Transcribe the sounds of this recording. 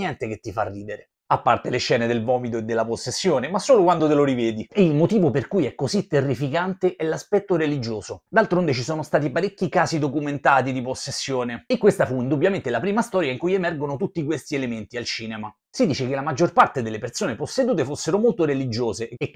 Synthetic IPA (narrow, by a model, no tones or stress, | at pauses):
jɛnt̪ek̟et̪ːifarːiːd̪eɾe | apːart̪eleʃːɛːned̪elvɔːmit̪oed̪ːelːaposːesːjoːnemasːoːlokwand̪ot̪eloɾivɛːd̪ieilmot̪iːvoperkujɛkːozit̪ːerːifikant̪eʔɛlaspɛt̪ːoɾelid͡ʒoːzod̪alt̪ɾond̪et͡ʃisoːnost̪aːt̪̬ipaɾekːikaːzid̪okument̪aːt̪id̪iposːesːjoːneekːwest̪afuind̪ubjament̪elapɾiːmast̪ɔːɾjaiŋkujemɛrɡonot̪ut̪ːikwest̪ielement̪ialt͡ʃiːnema | sid̪iːt͡ʃekelːamad͡ʒːorpart̪ed̪elːepersoːneposːed̪uːt̪efosːeɾomolt̪oɾelid͡ʒoːze